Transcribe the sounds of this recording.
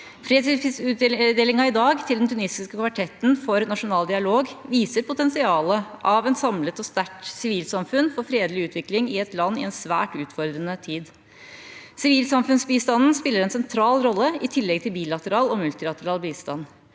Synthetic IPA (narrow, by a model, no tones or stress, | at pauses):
fɾeːt̪iʉd̪eːlɪŋɑɪd̪ɑːɡt̪ʰɪld̪ɛnt̪ʰʉnɪsɪskəkʰʋɑʈʰɛt̪nfɔɾnɑʂʊnɑːld̪ɪɑloːɡʋiːsəɾpʊt̪ɛnsɪɑːləʔɑʋɛnsɑmlət̪ɔst̪æʈsɪʋiːlsɑmfʉnfɔɾfɾeːd̪lɪʉːt̪ʰʋɪklɪŋɪɛt̪lɑnːɪ̰ɛnsʋæ̰ːʈʉːt̪fɔɾd̪ɾənət̪ʰiːd̪ | sɪʋiːlsɑmfʉnsbiːst̪ɑnn̩spɪlːəɾɛnsɛnt̪ʰɾɑːlɾɔlːəɪt̪ʰɪlːɛɡt̪ʰɪlbiːlɑt̪əɾɑːlɔmʉlt̪ɪlɑt̪əɾɑːlbiːst̪ɑn